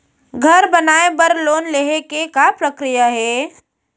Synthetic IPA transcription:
ɡʱɐɾbənaːebɐɾloːnleɦekekapɾəkɾijaɦɛː

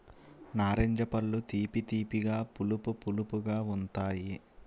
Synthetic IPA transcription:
naːɾeɲd͡ʒɐpɐlːut̪iːpit̪iːpiɡaːpulupupulupuɡaːunt̪aːji

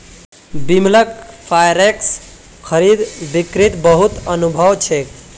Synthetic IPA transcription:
bimləkpʰajɾeks | kʰəɾid̪bikɾit̪bəɦut̪ənubʱəwt͡ʃʰe

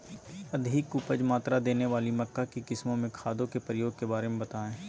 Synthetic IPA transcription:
ɐd̪ʱɪːkʊpəd͡ʒmaːt̪ɾad̪eːneʋaːlimɐkːakikɪsmõmẽkʰaːd̪õkepɾəjoːɡ̚kebaːɾemẽbɐt̪aːẽː

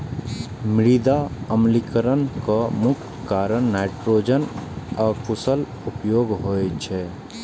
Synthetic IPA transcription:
mɪɾid̪aəmlikəɾənkamuk̪̚ʰ | kaɾənnaɪʈɾoːd͡ʒənɔːɾpʰusəl | upjoːɡɦojt͡ʃʰɛ

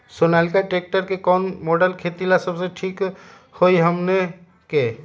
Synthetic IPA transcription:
sonalkaʈek̚ʈəɾkekɔnmoɖəlkʰet̪ilasəbseʈʰik | hojɦəmne | ke

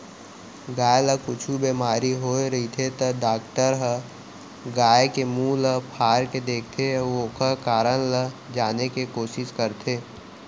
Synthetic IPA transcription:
ɡaːjləkʊt͡ʃʰubeːmaːɾiɦoːɾəɦit̪ʰet̪əɖaːkʈəɾɦə | ɡaːjekemũːləpʰaːɾked̪eːkʰt̪ʰeʋokəkaːɾənləd͡ʒaːnekikoːʃɪʃkəɾt̪ʰeː

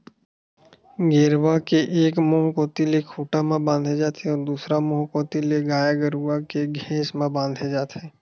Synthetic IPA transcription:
ɡeːɾwakeʔeːkmoɦkoːt̪ilekʰuːʈamãbãːnd̪ʱed͡ʒaːt̪ẽɔːɾd̪uːsɾamoɦkoːt̪ileɡaːjaɡəɾuwakeɡʱɛ̃ːsmãbãːnd̪ʱed͡ʒaːt̪eː

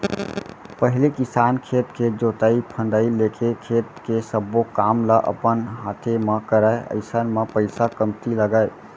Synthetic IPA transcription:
pəɦilekisankʰet̪ked͡ʒot̪əipʰənɖ̪əilekʰekʰet̪kesəbːokamləʔə̰pənɦat̪ʰeməkəɾəeə̰ɪsənmepəɪsakəmt̪iləɡəj

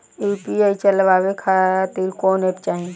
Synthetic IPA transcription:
ipieit͡ʃəlbabekʰat̪iɾkoːnep̚t͡ʃaːɦĩ

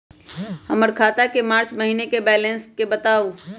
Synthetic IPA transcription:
həməɾkʰaːt̪akemaːɾt͡ʃməɦiːnekebɛːlenskebət̪aːu

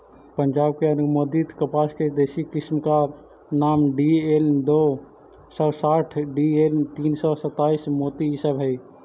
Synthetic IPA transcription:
pənd͡ʒaːb̚keənʊmoːd̪it̪kəpaːsked̪eːsikɪsmka | naːmɖield̪oː | səsaːʈʰɖieːlt̪iːnsɔsət̪ːaːismoːt̪iɦɪsəbɦɛj

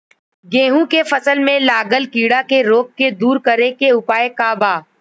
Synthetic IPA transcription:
ɡẽːɦũkefəsəlmẽlaːɡəlkiːɽakeɾoːkːed̪uːɾkəɾekeʊpaːekaːbaː

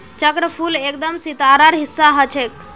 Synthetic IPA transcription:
t͡ʃəkɾəpʰulek̚d̪əmsit̪aɾəɾɦisːaɦət͡ʃʰek

